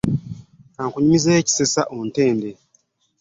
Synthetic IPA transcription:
aŋkuɲimizeːci̥sesaʔonte̞ːnde

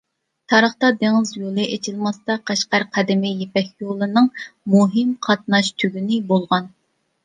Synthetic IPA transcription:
t̪ʰɑɾəχt̪ɑd̪eŋɪzjolˠɨʔet͡ʃʰilˠmɑst̪ɑqʰæʃqɑɾqʰæd̪ɪmɪjepɛkʲjolˠɨnɨŋmuɦɨmqʰɑt̪̚nɑʃt̪ʰyɡʲynɪbolˠʁɑn

